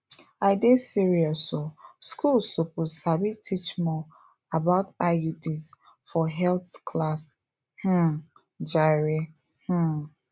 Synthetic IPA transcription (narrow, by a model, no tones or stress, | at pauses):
aɪdesiɹiɔsoskulsopusabitʰit͡ʃmɔ | abaʊtajudis | fɔɦɛlθkʰlas | h̩ | d͡ʒaɹi | h̩